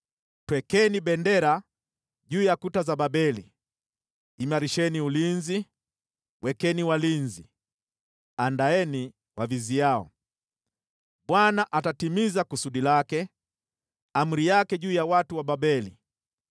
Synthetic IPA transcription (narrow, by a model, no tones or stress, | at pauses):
twɛkɛniɓɛndɛɾa | ʄuːjakutazababɛlḭ | maɾiʃɛniulinzi | wʔɛkɛniwalinzi | andaɛni | waviziaɔ̰ | ɓwanaʔatatimizakusuɗilakɛ | am̩ɾijakɛʄuːjawatuwaɓabɛli